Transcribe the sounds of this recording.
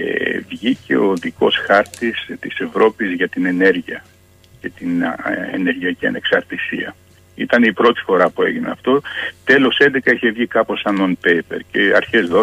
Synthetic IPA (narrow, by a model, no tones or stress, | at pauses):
ḛvʝice̞oðiko̞sxɐɾt̪ist̪ise̞vɾo̞pizʝɐt̪ine̞ne̞ɾʝiɐ | ce̞t̪inḛne̞ɾʝiɐciɐ̰ne̞ksɐɾt̪isḭɐ̰ | it̪ɐnipɾo̞t̪i̥fo̞ɾɐpue̞ʝinḛɐft̪o̞t̪e̞lo̞se̞nd̪e̞kɐiçe̞vʝikɐpo̞sɐnonpepe̞ɾce̞ɐ̰ɾçe̞zðo